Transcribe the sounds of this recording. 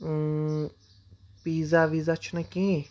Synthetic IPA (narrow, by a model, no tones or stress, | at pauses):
pizavizat͡ʃʰunakĩ